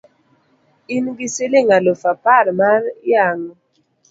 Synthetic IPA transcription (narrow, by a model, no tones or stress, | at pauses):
inɡiseleŋalofapaɾmaɾjaŋ